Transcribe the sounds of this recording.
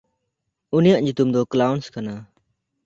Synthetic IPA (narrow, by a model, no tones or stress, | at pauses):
unijaʔɲut̪umd̪ɔklawnskana